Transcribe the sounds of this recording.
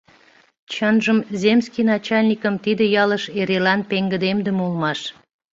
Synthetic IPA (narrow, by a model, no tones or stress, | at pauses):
t͡ɕənʒəmzʲemskinɑt͡ɕɑlʲnʲikəmt̪id̪ə̆jɑləʃeɾelɑnpeŋɡə̆d̪emd̪əmulmɑʃ